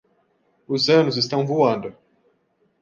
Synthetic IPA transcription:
ʊzɐ̃nʊzɪst̪ɐ̃w̃voɐ̃nd̪ʊ

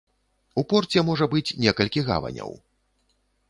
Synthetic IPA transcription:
upɔrt͡sʲɛmɔʐɐbɨt͡sʲnʲɛkɐlʲkʲiɣa̰vɐ̰nʲɐ̰w

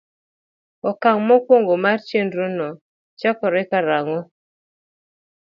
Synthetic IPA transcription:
ɔkaŋmɔkwoŋɡomart͡ʃendɾonɔ | t͡ʃɔkɔɾɪkaɾaŋɔ

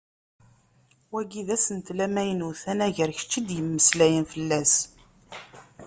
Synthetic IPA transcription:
wæɡiðæsənt̪læmæjənuθænæʝəɾçə̥t͡ʃːid̪jəmːəslæjənfəlːæs

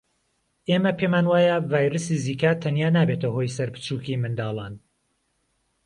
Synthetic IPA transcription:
ʔeːmɐpʰemaːnwaːjɐvaːjɾɨsiziːkat̪ʰɐnjaːnaːbeːt̪ɐho̞jsɐɾpɨ̥t͡ʃuːkimɨnd̪ɑːlˠɑːn

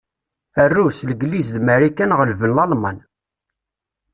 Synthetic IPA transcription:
ərːusləɡlizðmæɾikænʁəlvənlɑlmɑn

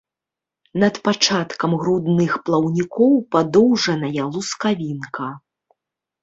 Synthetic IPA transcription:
nɐt̪pat͡ʂat̪kɐmɣɾud̪nɨxplˠɐwnʲikɔwpad̪ɔwʐɐnɐjɐlˠuskavʲinkɐ

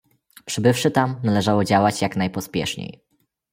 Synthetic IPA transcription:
pʂɘbɘfʂɘt̪amnalɛʐawɔd͡ʑawat͡ɕjaknajpɔspʲjɛ̰ʂɲḛj

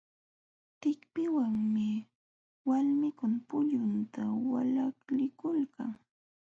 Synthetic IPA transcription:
t̪ɪkpɪwaŋmɪ | walmɪkʊnpʊʎʊnt̪awalaklɪkʊlka̰ŋ

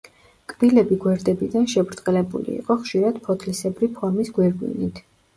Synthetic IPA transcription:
kʼb̥ilɛbiɡwɛɾd̪ɛbid̪anʃɛbɾt̪ʼqʼɛlɛbṵlḭːqʼɔχʃiɾad̪̥pʰɔt̪ʰlisɛbɾipʰɔɾmisɡwɛɾɡwḭnit̪ʰ

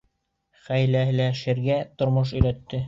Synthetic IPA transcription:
χæjlæɦɘ̆læʃɘ̆ɾɡæt̪ŏɾmoʃ̬ɵ̆jɾæt̪ːɘ

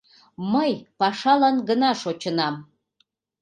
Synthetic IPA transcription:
məjpɑʃɑlɑnɡənɑʃot͡ɕənɑm

